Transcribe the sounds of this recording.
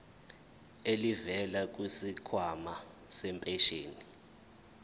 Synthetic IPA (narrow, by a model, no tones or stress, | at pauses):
elivɛlak̬ʼwisikʰwama | sɛmpʼɛʃeːni